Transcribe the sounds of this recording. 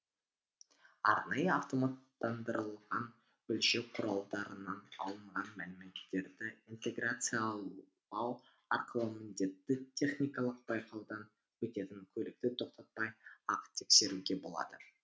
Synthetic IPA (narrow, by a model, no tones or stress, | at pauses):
ɑ̰ɾnɑjəɑft̪o̞mat̪ːɑnd̪əɾəlˠʁɑn | ʏlʃeqʰʊɾɑlˠd̪ɑɾənɑnɑ̰lˠəɴʁɑnmælɪme̞t̪ːe̞ɾd̪ɪint̪e̞ɡrat̪sɨjalˠ | ɑw | ɑɾqəlˠəmɪnd̪e̞t̪ːɪt̪ʲʰe̞χnʲijkɑlˠəq̚b̥ɑjqʰɑwd̪ɑn | wɵt̪e̞t̪ɪŋkʲʰɵlɪk̚t̪ɪt̪ʰo̞q̚t̪ɑt̪̚pɑjɑqt̪ʰe̞kse̞ɾuɡʲe̞bo̞̰lˠɑ̰d̪̥ə